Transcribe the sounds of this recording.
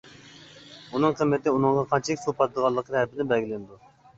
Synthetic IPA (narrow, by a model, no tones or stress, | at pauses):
unɨŋqʰəmːɪt̪ʰɪunɨŋʁɑqʰɑnt͡ʃʰɪkʲsupʰɑt̪d̪əʁɑlˠːəqʰəhæɾpɪnɪbɛlɡʲilɪnɪd̪u